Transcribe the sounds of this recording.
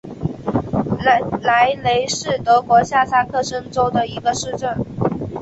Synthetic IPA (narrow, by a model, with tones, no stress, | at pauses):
la˧˥ɪle˧˥ɪʂɻ̩˥˩t̪ɤ˧˥kwɔ˧˥ɕja˥˩sa˥˧kʰɤ˥˩ʂə˥ŋʈ͡ʂo˥ʊd̪ə˨i˧˥ɡə˧ʂɻ̩˥˧ʈ͡ʂə˥˩n